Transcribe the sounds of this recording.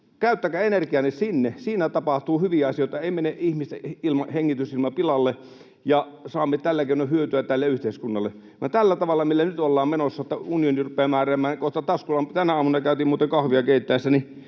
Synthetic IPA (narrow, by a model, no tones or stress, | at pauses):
kæˑyt̪ːækæenerkiɑnːissinːesiːnæt̪ɑpɑht̪uːhyʋiæɑsijoet̪ɑeˑimeneʔihmist̪eilmɑheŋːit̪ysilmɑpilɑlːe | jɑsɑːmːet̪ælːækeˑinohyøt̪yæt̪ælːeyht̪eˑiskunːɑlːe | ʋɑ̰nt̪ælːæt̪ɑʋɑlːɑmilːænyt̪olːɑːmmenosːɑot̪ːɑunionirupˑeːmæːræːmæːnkoht̪ɑt̪ɑskulːɑmt̪ænæɑːmunɑkæˑyt̪iːmuːt̪eŋkɑhʋiɑkeˑit̪ːæˑesːæni